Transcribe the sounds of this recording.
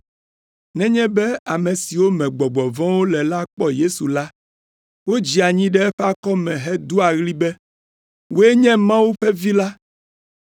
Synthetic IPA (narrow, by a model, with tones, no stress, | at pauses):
nɛ̃˦ɲɛ̃˦bɛ˦a˨mɛ̃˨si˨wo˦mɛ̃˨ɡ͡bɔ˨ɡ͡bɔ˨vɔ̃˦wo˦lɛ˨la˦k͡pɔ˦je˦su˨la˦ | wo˦d͡ʑi˨a˨ɲĩ˦ɖɛ˦ɛ˦ɸɛ˦a˦kɔ˦mɛ̃˨ɦɛ˦d̪u˦a˨ɣli˦bɛ˦ | wo˦e˦ɲɛ̃˦mã˦wu˦ɸɛ˦vi˦la˦